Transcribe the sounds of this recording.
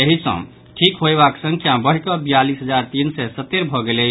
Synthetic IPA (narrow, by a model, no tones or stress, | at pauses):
eɦisə̰̃ | ʈʰikɦoebaksə̃ŋkʰjabəɦikəbijalisɦəd͡ʒaɾt̪insɛsət̪ːeɾbʱɔɡele